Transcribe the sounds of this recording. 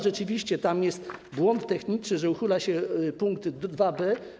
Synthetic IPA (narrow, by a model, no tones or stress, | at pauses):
ʐɛt͡ʂɘvʲiɕt͡ɕɛt̪amjɛst̪bwɔnt̪ːɛxɲit͡ʂnɘʐɛuxɘlaɕɛpuŋkt̪d̪vabɛ